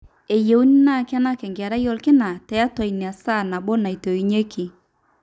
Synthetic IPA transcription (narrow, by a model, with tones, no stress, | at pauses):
e˨je˨u˦ni˦na˦˨kɪ˦a˦na˦kɛ˨ŋɡa˨ɾa˦jɔ˦lkɪ˦na˨tɛ˨a˦tɔ˨i˨nɪ˨a˨sa˦˨na˨bo˦na˨i˨to˨i˨ɲe˦kʰi˨